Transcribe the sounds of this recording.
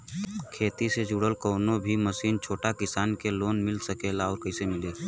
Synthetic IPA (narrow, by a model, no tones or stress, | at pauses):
kʰeːt̪ised͡ʒuɽəlkoːnobʱiməsiːnt͡ʃʰoːʈakɪsaːnkeloːnmɪlsəkeːlaɔːɾkɐɪsemɪleː